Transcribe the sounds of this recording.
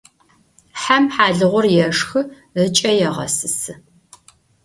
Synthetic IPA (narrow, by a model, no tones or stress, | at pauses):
ħamħaːɮɨʁʷʊrjɛʂxɨ | ət͡ʃʼɐjɛʁɐ̰sɨsɨ